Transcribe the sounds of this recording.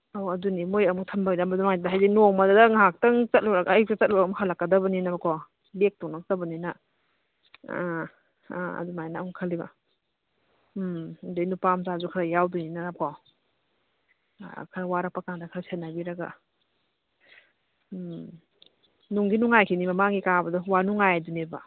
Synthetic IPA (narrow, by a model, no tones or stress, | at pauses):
awɐdunimojɐmuk̚tʰɐmbadambadumajdaɦajzinomɐdadɐŋak̚tɐŋt͡ʃɐt̚luɾaɡajk̚tat͡ʃɐt̚limukhalakːɐdɐbɐninabakʰɔ | lek̚tɔŋnak̚dɐbɐnina | a̰dumajnamukʰaliba̰ | dejnupamzazukʰaɾajawduninakʰɔ | kʰɐɾawaɾak̚pakaŋdakʰaɾasenabiɾaɡa̰ | nuŋɡinuŋajkʰinimɐmaŋɡikabɐdɔwanuŋajaduneba̰